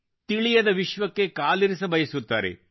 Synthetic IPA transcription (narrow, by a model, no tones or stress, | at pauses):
t̪iɭijɐd̪ɐʋiʃʋɐkːe̞kaːliɾisɐbɐjɐsut̪ːaːɾḛ